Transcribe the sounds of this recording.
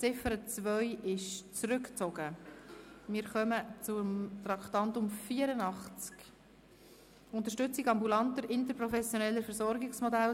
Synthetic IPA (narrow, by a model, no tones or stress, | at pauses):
t͡sɪfəɾət͡svœʏɪʃt͡sɾʏkt͡sɔɡə | mɪːɾχœmət͡sʊmt̪ɾɑkt̪ɑntʊmfiːəɾənɑχt͡sk | ʊnt̪əɾʃtʏt͡sɪkɑmbulɑntəɾɪnt̬əɾpɾɔfɛsjonɛlːəfɛɾsɔɾɡɪksmodæl